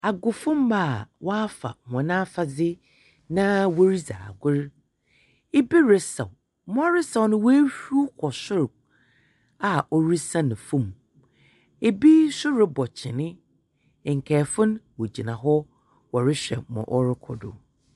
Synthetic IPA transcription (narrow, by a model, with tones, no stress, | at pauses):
a˨ɡʊ˨fʊ̃˦mba˦˨wɔ˦a˦fa̰˨m˨ɔ̃˨nã˦fa˨d͡zɪ˦ | nã˦wo˦ɾi˦za̰ː˨ɡʊ˦ɾ | e˦bi˦ɾɪ˦sa̰˨w | mɔ̃˦a˦ɾɪ˦sa˨wnʊ̃˦wo˦ɕᶣu˦o˦kʰɔ˨sʊ˦ɾ | a˨ʔɔ˦ɾi˦sã˦nɪ̃˨fʊ̃˦m | e˨bi˦sʊ˦ɾɪ˦bɔ˨t͡ɕʰɪ˨nɪ̃˦˨ | ŋ̩˨kʰɛː˨fʊ̃˦nwo˨d͡ʑi˨nã˨ɦɔ˦ | wɔ˨ɾɪ˦ɕᶣɛ̰˨mɔ̰̃˨ʔɔ˦ɾɪ˦kʰɔ˨dʊ̰˨